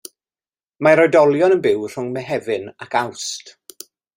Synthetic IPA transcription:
maɾɔjdɔlˠjɔnənbɪwr̥ʊŋmɛɦɛvɨnakawst

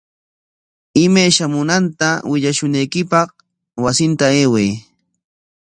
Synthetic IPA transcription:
ɪmajʃamʊnant̪awɪʎaʃʊnajkɪpɑq | wasɪnt̪aeːwej

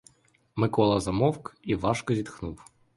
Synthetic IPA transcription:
mɪkɔlˠɐzɐmɔwkiʋɑʃkɔzʲid̪xnuw

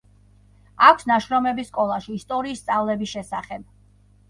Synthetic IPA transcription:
akʷʰsnaʃɾɔmɛbiskʼɔlˠaʃiːst̪ʼɔɾiːst̪sʼavlɛbisʃɛsaχɛb̥̚

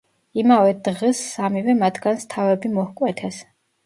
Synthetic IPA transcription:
imavɛd̪ʁɛsamivɛmat̪ʰɡ̥anst̪ʰavɛbimɔhkʼwɛt̪ʰɛs

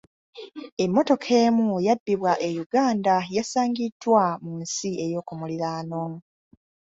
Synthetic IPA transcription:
e̞mːo̞to̞kʰe̞ːmujabːiβwaʔe̞juɡaːndajasaːŋɡidwamunsie̞jo̞ːkumuliɾaːno

